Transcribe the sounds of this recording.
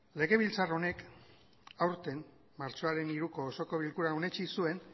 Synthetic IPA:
le̞ɣe̞β̞ilt͡saro̞ne̞k | awɾt̪e̞m | maɾt͡ʃo̞aɾe̞niɾuko̞ːso̞ko̞β̞ilkuɾaone̞t͡ʃisue̞n

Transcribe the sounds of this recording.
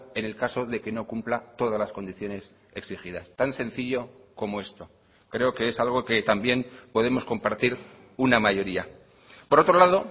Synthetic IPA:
e̞ne̞lkaso̞ðe̞ke̞no̞kumplat̪o̞ð̞azlasko̞nd̪iθjo̞ne̞s | e̞ksixiðast̪ansẽ̞n̟θiʎo̞ | ko̞mo̞e̞st̪o̞ | kɾe̞o̞ke̞esalɣ̞o̞ke̞t̪ambje̞npo̞ðe̞mo̞sko̞mpaɾt̪iɾ | unamaʝo̞ɾia | po̞ɾo̞t̪ɾo̞laðo̞

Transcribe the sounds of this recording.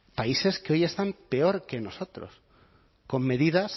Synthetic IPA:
paise̞skeoje̞st̪ampe̞o̞ɾke̞no̞so̞t̪ɾo̰s | ko̞mːe̞ðið̞as

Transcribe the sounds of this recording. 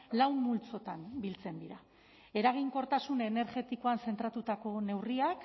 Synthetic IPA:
lawmmult͡so̞t̪anbilt͡se̞nd̪iɾa | e̞ɾaɣ̞iŋko̞ɾt̪asune̞ne̞ɾɣe̞t̪ikoanse̞nt̪ɾat̪ut̪ako̞ne̞wriak

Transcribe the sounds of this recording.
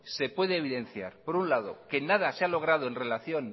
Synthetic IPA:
se̞pwe̞ðeːβiðe̞nθja̰ɾpo̞ɾunlaðo̞̰ke̞naðasealo̞ɣ̞ɾað̞oenre̞laθjo̞n

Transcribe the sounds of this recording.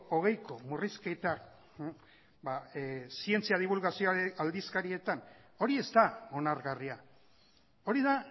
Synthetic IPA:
o̞ɣ̞e̞jko̞murisket̪ak | basie̞nt͡siað̞iβ̞ulɣasioaɾeald̪iskaɾie̞t̪an | o̞ɾie̞st̪ao̞naɾɣaria | o̞ɾiða

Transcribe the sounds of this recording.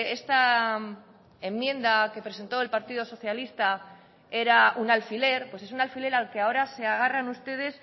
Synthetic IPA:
e̞st̪a | e̞mːjẽ̞nd̪ake̞pɾe̞se̞nt̪o̞e̞lpaɾt̪iðo̞so̞θjalist̪a | e̞ɾaunalfile̞ɾpwe̞se̞sunalfile̞ɾalkeao̞ɾase̞aɣ̞aranust̪e̞ð̞e̞s

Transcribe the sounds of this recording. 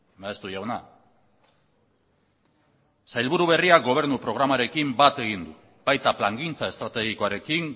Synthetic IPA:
aest̪uʝawna | sajlβuɾuβ̞e̞riaɡo̞β̞e̞ɾnupɾo̞ɣ̞ɾamaɾe̞kimbat̪e̞ɣ̞ind̪u | bajt̪aplaŋɡint͡sae̞st̪ɾat̪e̞ɣ̞iko̞aɾe̞kiŋ

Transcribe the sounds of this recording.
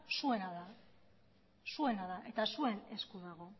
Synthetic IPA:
sue̞naða | sue̞naðaʔe̞t̪asue̞ne̞skuðaɣo̞

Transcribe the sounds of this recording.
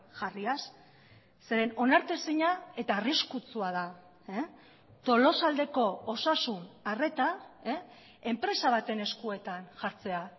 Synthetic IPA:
ʝariasː | e̞ɾe̞no̞naɾt̪esiɲae̞t̪aːriskut͡suað̞a | t̪o̞lo̞sald̪e̞ko̞osasunare̞t̪a | e̞mpɾe̞saβ̞at̪e̞ne̞skue̞t̪anʝaɾt͡se̞a

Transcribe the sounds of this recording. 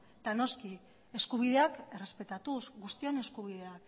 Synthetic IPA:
d̪̥ano̞ski | e̞skuβ̞iðe̞ake̞re̞spe̞t̪at̪usɡust̪io̞ne̞skuβ̞iðe̞ak

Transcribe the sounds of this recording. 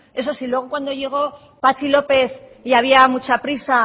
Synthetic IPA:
e̞s̬osilwe̞ɣ̞okwand̪o̞ʝe̞ɣ̞o̞ | pat͡ʃilo̞pe̞θiaβ̞iamut͡ʃapɾisa

